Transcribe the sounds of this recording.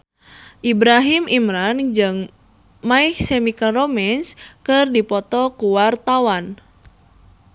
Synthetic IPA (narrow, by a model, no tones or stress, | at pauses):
ʔibɾaɦimimɾand͡ʒɨŋ | maihsemikaromɛnskɨrdipɔt̪ɔkuwart̪awan